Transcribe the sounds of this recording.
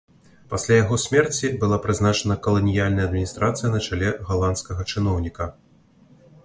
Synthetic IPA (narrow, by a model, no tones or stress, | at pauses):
pasʲlʲajaɣɔsʲmʲɛrt͡sʲibɨlˠapɾɨzn̪at͡ʂɐnɐkɐlˠɐnʲijalʲnɐjɐd̪mʲinʲist̪ɾat̪sɨjɐnɐt͡ʂalʲɛɣalˠant̪skɐɣɐt͡ʂɨnɔwnʲikɐ